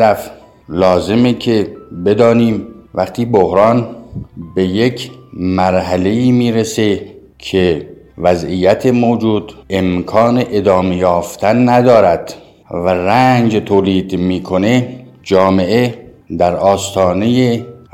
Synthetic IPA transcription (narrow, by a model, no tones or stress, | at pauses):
ɾæf | lɒːze̞mekʰe̞be̞d̪ɒːniːmvæqt̪ʰiːbohɾɑːnbe̞je̞kʰmæɾhæle̞iːmiːɾese̞ | kʰe | væzijæt̪ʰemoːd͡ʒuːd̪̥emkʰɒːneʔed̪ɒːmejɒːft̪ʰænːæd̪ɒːɾæd̪̥ | værænd͡ʒt̪ʰoːliːd̪miːkʰo̞ne̞d͡ʒɒːme̞ʔe | d̪æɾɒːst̪ʰɒːne̞je